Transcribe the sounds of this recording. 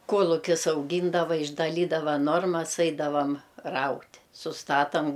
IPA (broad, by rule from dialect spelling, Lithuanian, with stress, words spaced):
ˈkuɔlˠʊkʲɪs ɐʊˈɡʲiːndɐʋɐ ɪʒdɐˈlʲiːdɐʋɐ ˈnoːrmɐs ˈɐɪdɐʋɐm ˈrɐʊtʲ sʊsˈtɑːtɐm